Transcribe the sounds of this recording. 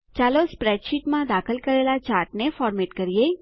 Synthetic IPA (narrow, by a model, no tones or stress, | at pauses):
t͡ʃaːlospɾɛːʃiʈmãd̪aːxəlkɐɾeːlat͡ʃaːɾʈnefɔːɾmeːʈkɐɾieː